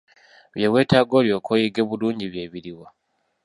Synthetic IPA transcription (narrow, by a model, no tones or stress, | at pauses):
βjeβwe̞ːtaɡo̞ːljo̞ːkʰojiɡeβuluːɲɟiβje̞ːβiɾiwa